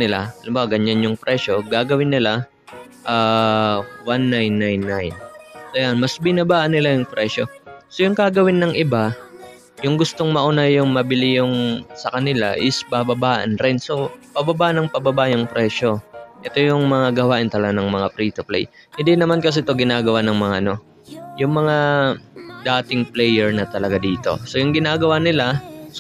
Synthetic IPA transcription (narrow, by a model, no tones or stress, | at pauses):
nɪla̰ʔɐnobaɡɐɲːanjʊŋpɾɛʃo̞ɡaːɡɐwɪnːɪla | ʔaː | wanːajnːajnːajnsojanmɐsbɪnɐbaːʔɐnːɪlajʊŋpɾɛːʃo̞sojʊŋkaɡɐwɪnːɐŋʔɪba | jʊŋɡʊst̪o̞ŋmɐʔʊnajːʊŋmɐbɪlɪjʊŋsɐkɐnɪla̰ʔɪsbabɐbaːʔɐ̰nɾɪnso̞pɐbɐbaːʔnɐŋpɐbɐbajʊŋpɾɛʃo̞ʔɛt̪ojʊŋmɐŋaɡɐwaːʔɪnt̪ɐlɐɡanɐŋmɐŋapɾiːt̪ʊplɛ̰j | hɪnd̪inɐmankɐs̬ɛt̪oɡɪnaːɡɐwanɐŋmɐŋaʔɐno̞ | jʊŋmɐŋa | d̪aːt̪ɪŋplɛjɛɹnɐt̪ɐlɐɡad̪iːt̪o̞̰so̞jʊŋɡɪnaːɡɐwanɪlas